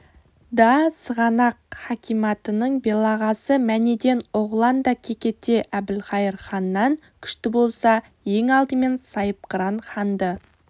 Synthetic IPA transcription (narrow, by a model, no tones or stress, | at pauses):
d̪ɑsəʁɑnɑqχɑkʲʰijmɑt̪ənəɴbe̞lˠɑʁɑsəmæne̞d̪e̞noʁlˠɑnd̪ɑkʲʰe̞kʲe̞t̪ːeʔæbɪlχɑjəɾχɑnːɑɴ | kʲʰʏ̥ʃt̪ɪbo̞lˠsɑ | je̞ŋɑlˠd̪əme̞nsɑjəp̚qəɾɑnχɑnd̪ə